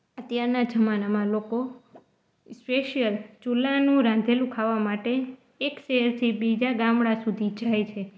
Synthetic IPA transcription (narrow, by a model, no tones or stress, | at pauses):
ət̪jaɾnad͡ʒəmanamãloko | speʃijəlt͡ʃulanũɾãnd̪ʱelũkʰaʋːamaʈeː | kʃeɦəɾt̪ʰibid͡ʒaɡamɽasud̪ʱid͡ʒajt͡ʃʰe